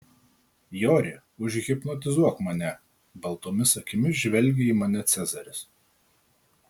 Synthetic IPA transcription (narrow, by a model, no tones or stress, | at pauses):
joːɾʲɪ | ʊʒʲɣʲɪpnɔt̪ʲɪzuɔkmɐnʲɛ | bɐlˠt̪oːmʲɪsɐkʲɪmʲɪʒʲʋʲɛlʲɡʲɛiːmɐnʲɛt̪sʲɛzɐɾʲɪs